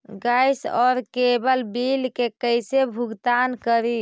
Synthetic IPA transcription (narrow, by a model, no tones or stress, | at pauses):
ɡajsɔːɾkebəlbilkekəjsebʱuɡt̪ankəɾi